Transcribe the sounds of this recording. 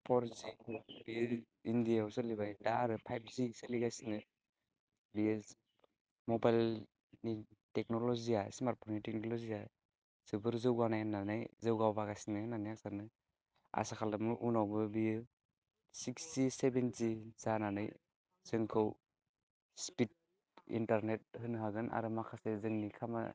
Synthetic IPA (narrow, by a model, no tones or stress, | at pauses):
pʰɔɾzibi | indijawsɯlibajdaɾɯpʰajb̚zisəliɡajsinɯ | bi | mɔbajl | nitek̚nɔlɔziasimaɾ̚pʰɔɾnitek̚nolɔzia | zɯbɯɾzɯwɡanajnanajzɯwɡawbaɡajsinɯnanijaksanɯ | a̰sakʰalamɯʔunawbɯbij | sikstisebentiz̥ananɯ̰j | z̥ɯŋkʰɯw | spit̚ | ḭntaɾnet̚hɯnɦaɡɯnʔa̰ɾɯmakʰasezɯŋnikʰama̰